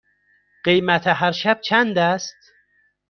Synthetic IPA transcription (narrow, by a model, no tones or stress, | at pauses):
ɢ̥ejmæt̪ʰeɦæɾʃæb̚t͡ʃʰænd̪æst̪